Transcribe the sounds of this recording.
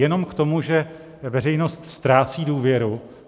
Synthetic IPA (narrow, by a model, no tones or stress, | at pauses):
jɛno̞mkt̪o̞muʒɛ | vɛɾɛjno̞st̪st̪ɾaːt͡siːduːvjɛɾu